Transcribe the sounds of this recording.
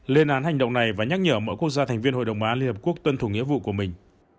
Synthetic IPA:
le˧nʔaː˨˦nɦa˨˩ŋ̟ɗə̰˧˨wŋ͡mna˨˩jvaː˨˩ɲa˦˥k̚ɲəː˧˩mə̰˧˥jku˦˥ək̚zaː˧t̪ʰɛ˨˩ŋ̟vi˧ənho˧˨ɗə˨˩wŋ͡mʔaː˨˦li˧nhəː˨˩ku˦˥ək̚t̪wə˧nt̪ʰu˧˩ŋḭ˧˥vṵ˧˨ku˧˩əmï˨˩ŋ̟

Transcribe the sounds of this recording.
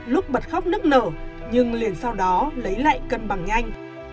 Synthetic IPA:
lʊ˦˥k͡p̚ɓə˨˩t̚xa˦˥k͡p̚nɨ˦˥ək̚nəː˧˩ | ɲɨ˧ŋli˨˩ənsa˧wɗɔ˨˦lə˨˦jla̰ː˧˨jkə˧nɓa˧˩ŋʔa˧jŋ̟

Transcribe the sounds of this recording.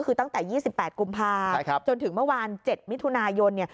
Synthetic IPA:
kʰɯː˧t̪a˥˩ŋt̪ɛː˨˩jiː˥˩si˨˩pːɛː˨˩t̪̚ku˧mpʰaː˧˦t͡ɕo˧nt̪ʰɯ˨˩˦ŋmɯ˥˩˨waː˧nt͡ɕe˨˩t̪̚mi˦˥t̪ʰu˧naː˧jo˧nːi˥˩ɐ

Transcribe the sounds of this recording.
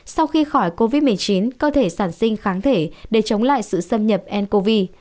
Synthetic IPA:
sa˧wxi˧xɔ˧˩jko˧vi˦˥t̚mɨ˨˩əjt͡ɕi˨˦nkəː˧t̪ʰe˧˩saː˧˩nsï˧ŋ̟xaː˨˦ŋt̪ʰe˧˩ɗe˧˩t͡ɕə˨˦wŋ͡mla̰ː˧˨jsɨ̰˧˨sə˧mɲə˨˩p̚ʔɛ˧nko˧vi˧

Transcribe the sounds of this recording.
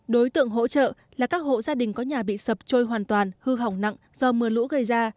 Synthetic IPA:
ɗo˨˦jt̪ɨ̰˧˨əŋɦo̰˧˥t͡ɕə̰ː˧˨ | laː˨˩kaː˦˥k̚ho̰˧˨zaː˧ɗï˨˩ŋ̟kɔ˨˦ɲaː˨˩ɓḭ˧˨sə˨˩p̚t͡ɕo˧jɦwaː˨˩nt̪waː˨˩nhɨ˧ɦa˨˩wŋ͡mna̰˧˨ŋz̥ɔ˧mɨ˨˩əlṵ˧˥ɣə˧˩jzaː˧

